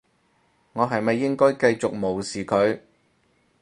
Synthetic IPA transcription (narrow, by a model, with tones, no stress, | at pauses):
ŋɔː˨˧ɦɐ˨jmɐ˨jːɪ˥ŋkɔː˥jkɐ˧jt͡ʃʊ˨k̚mo˨˩wsiː˨kʰɵ˨˧ɥ